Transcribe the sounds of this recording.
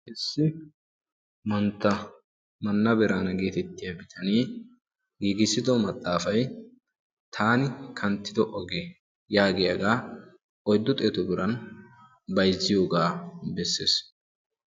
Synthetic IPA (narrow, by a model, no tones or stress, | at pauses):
hɪsːɪ | mɐnt̪ːɐ | mɐnːɐbɛɾaːnɐɡe̞ːt̪ɛt̪ːɪjɐbɪt̪ʰɐniː | ɡiːɡɪsɪd̪ɔmɐt̪ʼːaːfɐj | t̪ʰaːnɪkʰɐnt̪ːɪd̪ɔʔɔɡe | jaːɡɛjɐɡaː | ʔɔjd̪ːɔt̪ʼeːt̪ɔbɪɾɐn | bɐjzːɪjo̞ːɡaːbɛsːḛːs